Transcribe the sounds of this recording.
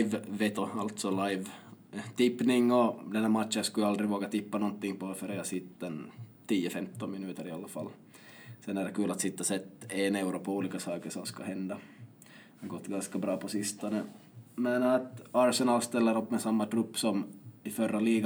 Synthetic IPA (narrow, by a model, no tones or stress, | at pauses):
vːet̪ɔalt̪sɔlajvt̪ɪpːnɪŋːɔd̪ɛnhæɾmat̪ɕənskɑjald̪ɾɪvoːɡat̪ʰɪpːanɔnt̪ːɪŋːpɔfœɾɛɑsɪt̪ːɛnt̪ʰiːəfɛmt̪ɔnmɪnʉ̟ːt̪əɾɪɑlːafa̰lː | sɛnːæɖɛkʰʉ̟ːlat̪sɪt̪ːasɛt̪ːenɛʉɾɔpʰɔuːliːkasɑːkəʂɔmskahɛnd̪ɑ | hɑɡɔt̪ːɡanskabɾɑːpʰɔsɪst̪ɔnə | mɛnt̪ɑːɾsɛnɑːlst̪ɛlːəɾɔpːmɛsamːat̪ʰɾɵpːsɔmɪfœɾːaliːɡa